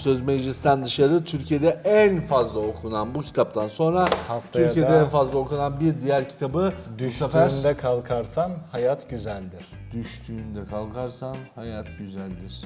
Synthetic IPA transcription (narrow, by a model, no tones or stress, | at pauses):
sø̞zmed͡ʒlʲist̪ʰænd̪ɯʃaɾɯt̪ʰyɾcʰije̞d̪ɛænfazlˠaokʰunanbucʰi̥t̪ʰap̚t̪ʰanso̞nɾahaft̪ʰyɾcijed̪ɛɛnfazlˠao̞kunanbiɾd̪ijæɾcʰi̥t̪ʰabɯd̪yafæɾnd̪ɛkʰalˠkʰaɾsanhajat̪ɟyzælʲd̪iɾ̥d̪̥yʃt̪ʰyːnd̪ɛkʰalˠkʰaɾsanhajat̪ɟyzælʲd̪iɾ̥